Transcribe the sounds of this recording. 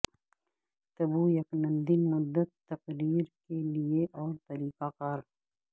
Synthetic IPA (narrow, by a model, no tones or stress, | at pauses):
t̪ɐbujɐknə̃nd̪imʊd̪ːət̪ːɐqɾiːɾkelieʔɔːɾt̪ɐɾiːqakɐɾ